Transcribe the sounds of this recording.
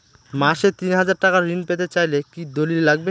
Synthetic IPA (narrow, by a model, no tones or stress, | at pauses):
maʃet̪inɦad͡ʑaɾʈakaɾːinpet̪̬et͡ɕajlekid̪olillaɡ̚be